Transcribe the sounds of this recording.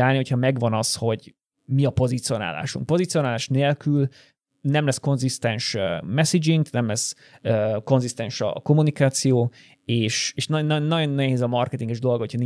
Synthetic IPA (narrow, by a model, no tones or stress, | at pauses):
aːlniɦo̞chɒmɛɡʋɒnɒsho̞ɟ | miɒpo̞zit̪sio̞na̰ːla̰ːʃṵŋkpo̞zit̪sijo̞naːlaːʃneːlkyl | nɛmlɛsko̞nzist̪ɛnʃømɛsid͡ʒiŋɡknɛmlɛs | øko̞nzist̪ɛnʃɒ̰ko̞munikaːt̪sijoː | eːʃeːʃnnnːɒɟo̞nːɛɦeːzɒmɒrkɛt̪iŋɡɛʒd̪o̞lɡhocʰɒni